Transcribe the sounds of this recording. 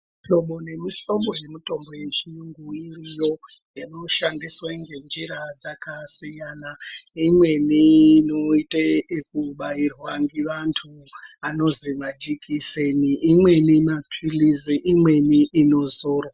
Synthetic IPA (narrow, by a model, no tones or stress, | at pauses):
to̞ɓo̞ne̞miʃo̞mbo̞je̞mito̞mboje̞t͡ʃiŋɡuirijo̞ | ino̞ʃandiswaŋɡe̞nd͡ʒiɾad͡zakasijanaimwe̞niːnoiteekuɓairwaŋɡiʋantʰu | ano̞ziʋad͡ʒikʰiseniʔːmwe̞nimapʰiliziʔimwe̞niʔːno̞zoːro